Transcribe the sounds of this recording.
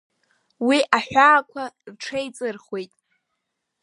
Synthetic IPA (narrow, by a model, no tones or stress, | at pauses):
wiʔaħʷᶣaːkʷʰarʈ͡ʂʰejt͡sʼɨrχwe̞jtʼ